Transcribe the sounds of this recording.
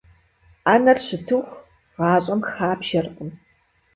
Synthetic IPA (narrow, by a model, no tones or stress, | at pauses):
aːnɐrɕʰɨtʰuxʷ | ʁɑːɕʼɐmxaːpʃɐrqʊn